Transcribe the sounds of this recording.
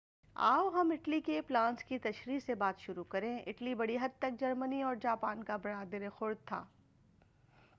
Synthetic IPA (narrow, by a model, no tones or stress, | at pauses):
a̰ːwɦɐmɪʈlikeplãːnskit̪ɐʃɾiːsebaːt̪ʃʊɾukɐɾẽʔɪ̰ʈlibɐɽiɦɐd̪̚t̪ɐk̚d͡ʒɐɾməniɔːɾd͡ʒaːpaːnkabɐɾaːd̪eɾexʊɾ̚t̪ʰːa̰ː